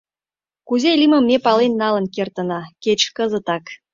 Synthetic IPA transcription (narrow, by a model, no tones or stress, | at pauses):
kuzelʲimə̆mːʲepɑlenːɑlə̆nkert̪ə̆nɑket͡ɕkəzə̆t̪ɑk